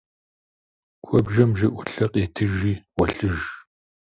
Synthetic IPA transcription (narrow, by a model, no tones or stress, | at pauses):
kʷʰɔbʒɐmʒɐʔʷʊɬɐqʼeːtʰɨʒiːwɐɬɨʒ